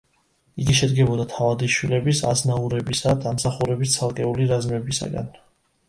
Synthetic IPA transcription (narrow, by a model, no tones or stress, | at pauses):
iɡiʃɛd̪ɡɛbɔd̪at̪ʰavad̪iʃwilɛbisa̰znauɾɛbisad̪amsaχuɾɛbist̪sʰalˠkʼɛuliɾazmɛbisa̰ɡa̰n